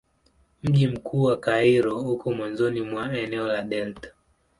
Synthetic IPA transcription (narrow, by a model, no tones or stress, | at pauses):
m̩ʄim̩kʰuːwakaiɾɔhukɔmwanzɔnimwaɛnɛɔlaɗɛltḁ